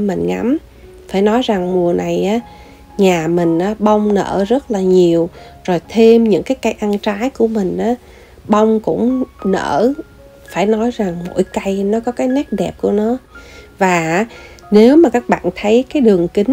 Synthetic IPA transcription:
mï˨˩ŋ̟ŋa̰˨˦m | faː˧˩jnɔ˨˦jza˨˩ŋmu˨˩əna˨˩jʔaː˨˦ | ɲaː˨˩mï˨˩ŋ̟ʔaː˨˦ɓa˧wŋ͡mnə̰ː˧˩zə˦˥t̚laː˨˩ɲi˨˩əwz̥o˨˩jt̪ʰe˧mɲɨ̰˧˥ŋkaː˨˦jka˧jʔa˧nt͡ɕaː˨˦jku˧˩əmï˨˩ŋ̟ʔaː˨˦ | ɓa˧wŋ͡mkʊ̰˧˥ŋ͡mnə̰ː˧˩ | faː˧˩jnɔ˨˦jza˨˩ŋmo̰˧˥jka˧jnɔ˨˦kɔ˨˦kaː˨˦jnɛ˦˥t̚ɗɛ˨˩p̚ku˧˩ənɔ˨˦vaː˨˩˨ne˨˦wmaː˨˩kaː˦˥k̚ɓa̰ː˧˨nt̪ʰə˨˦jkaː˨˦jɗɨ˨˩əŋkï˨˦ŋ

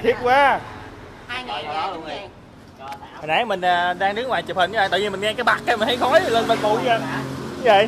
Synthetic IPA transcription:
t̪ʰi˦˥ət̚kwaː˦˧˨ | nʔaː˨˩˦mï˨˩ŋ̟aː˨˩ɗaː˧ŋɗɨ˨˦˥əŋwaː˨˩jt͡ɕp̚hə˨˩nɲ˧˦aː˧˨˩t̪ə̰˧˨ɲi˧mï˨˩ŋ̟ŋɛ˧kaː˨˦jɓa˨˩k̚kːa˧m˨˩nha˨˦jxɔ˨˦jlə˧nɓə˧˩nmo̰˧˨jə˧˩ɲ˧˦və̰˧˨

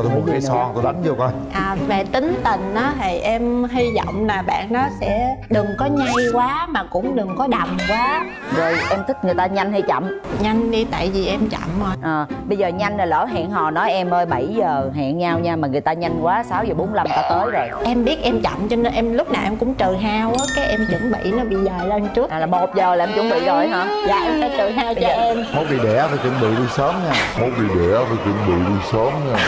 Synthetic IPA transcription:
t̪o˧˦mu˨˦nkːɛ˧˨sɔ˧ɔ˨˩t̪u˨˧˦ɗa˨˦ŋzə˧ka˧j | ʔaː˨˩ve˨˩t̪ï˨˦ŋ̟t̪ï˨˩ŋ̟ʔaː˨˦t̪ʰi˨˩jʔɛ˧mɦi˧zɔ̰˧˨wŋ͡mlaː˨˩ɓa̰ː˧˨nːɔ˨˦sɛ̰˧˥ɗɨ˨˩ŋkɔ˨˦ɲa˧jkwaː˨˦maː˨˩kʊ̰˧˥ŋ͡mɗɨ˨˩ŋkɔ˨˦ɗa˨˩wŋ͡mkwaː˨˦ | zo˨˩jʔɛ˧mt̪ʰï˦˥k̟̚ŋɨ˨˩əjt̪aː˧ɲa˧jŋ̟hi˧t͡ɕa̰˧˨mɲa˧jŋ̟ɗi˧t̪a̰ː˧˨jvi˨˩ʔɛ˧mt͡ɕa̰˧˨mʔo˧˩jʔəː˨˩ɓə˧jzəː˨˩ɲa˧jŋ̟ə˨˩lə̰ː˧˩ɦa̰˧˨ŋɦɔ̰˧˨nɔ˨˦jʔɛ˧mʔəː˧jɓa˧˩jzəː˨˩ɦa̰˧˨ŋɲaː˧wɲaː˧maː˨˩ŋɨ˨˩əjt̪aː˧ɲa˧jŋ̟kwaː˨˦saː˨˦wzəː˨˩ɓo˨˦nla˧mt̪aː˧t̪əː˨˦jzaː˨˩ʔɛ˧mɓi˦˥ət̚ʔɛ˧mt͡ɕa̰˧˨mt͡ɕɔ˧ne˧nʔɛ˧mlʊ˦˥k͡p̚naː˨˩wʔɛ˧mkʊ̰˧˥ŋ͡mt͡ɕəː˨˩ɦaː˧waː˨˦kaː˨˦jʔɛ˧mt͡ɕɨ˧˦ŋɓə̰˧˨nɔ˨˦ɓḭ˧˨zaː˨˩jlə˧nt͡ɕɨ˦˥ə˨la˨˩mo˨˩t̚zəː˨˩la˨˩ʔɛ˧mt͡ɕʊ˧˦ŋ͡mɓḭ˧˨zo˧jɦa̰ː˧˥zaː˨˩ʔɛ˧msɛ˧˦t͡ɕəː˨˩ɦaː˧wt͡ɕɔ˧ʔɛ˧mmə˨˦˥vi˨˩ɗɛ˧˩t̪ʰaː˨˩kḭ˧˩nɓḭ˧˨ɗi˧səː˨˦mɲaː˧mo˨˦t̚vḭ˨˩ɗɛ˧˩faː˨˩kḭ˨˧˩nɓḭ˧˨ɗi˧səː˨˦mɲaː˧˩

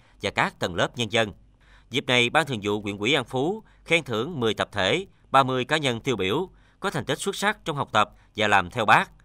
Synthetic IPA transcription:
vaː˨˩kaː˦˥k̚t̪ə˨˩nləː˦˥p̚ɲə˧nzə˧n | zi˨˩p̚na˨˩jɓaː˧nt̪ʰɨ˨˩ŋzṵ˧˨kwḭ˧˨əkwḭ˧˥˦ʔa˧nfu˨˦ | xɛ˧ŋt̪ʰɨ˧˩˥əŋmɨ˨˩əjt̪ə˨˩p̚t̪ʰḛ˧˩ | ɓaː˧mɨ˧əjkaː˨˦ɲə˧nt̪i˧əwɓi˧˩əw | kɔ˨˦t̪a˨˩ŋ̟t̪i˦˥k̚swt̚sa˦˥t͡ɕɔ˧wŋ͡mɦa˨˩wk͡p̚t̪ə˨˩p̚ | vaː˨˩laː˨˩mt̪ʰɛ˧wɓaː˦˥k̚

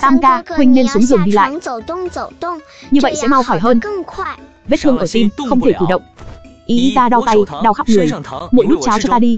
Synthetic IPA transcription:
t̪aː˧mkaː˧hwi˧ŋ̟ne˧nsu˨˦əŋzɨ˨˩əŋɗi˧la̰ː˧˨j | ɲɨ˧və̰˧˨jsɛ̰˧˥ma˧wxɔ˧˩jɦəː˧n | ve˦˥t̚t̪ʰɨ˧əŋʔəː˧˩t̪i˧mxə˧wŋ͡mt̪ʰe˧˩kɨ˧˩ɗə̰˧˨wŋ͡mʔi˨˦t̪aː˧ɗa˧wt̪a˧jɗa˧wxaː˦˥p̚ŋɨ˨˩əjmo̰˧˨jɗt̚t͡ɕaː˨˦wt͡ɕɔ˧t̪aː˧ɗi˧

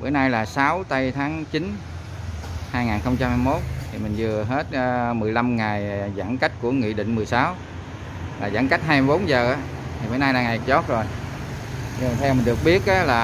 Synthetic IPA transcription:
və̰˧˩˦jnaː˧jlaː˨˩saː˨˦wt̪a˧jt̪ʰaː˨˦ŋt͡ɕi˨˦n | haː˧jŋaː˨˩nxə˧wŋ͡mt͡ɕa˧mhaː˧jmo˦˥t̚t̪ʰi˨˩mï˨˩ŋ̟zɨ˨˩əɦe˦˥t̚ːmɨ˨˩əjla˧mŋa˨˩jza̰ː˧˥ŋka˦˥jk̟̚ku˧˩əŋḭ˧˨ɗḭ˧˨ŋ̟mɨ˨˩əjsaː˨˦w | laː˨˩za̰ː˧˥˦ŋka˦˥jk̟̚ɦaː˧jmi˧jɓo˨˦nzəː˨˩ʔaː˨˦ | t̪ʰi˨˩vəː˧˩˦jnaː˧jlaː˨˩ŋa˨˩jzɔ˦˥t̚zo˨˩j | nt̪ʰɛ˧wmï˨˩n̟ɗɨ˨˩ək̚ɓi˦˥ət̚ʔaː˨˦laː˨˩

